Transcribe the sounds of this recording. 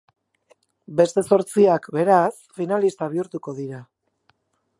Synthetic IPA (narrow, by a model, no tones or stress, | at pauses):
be̞st̪e̞so̞ɾt͡siakbe̞ɾasfinalist̪aβ̞iuɾt̪uko̞ðiɾa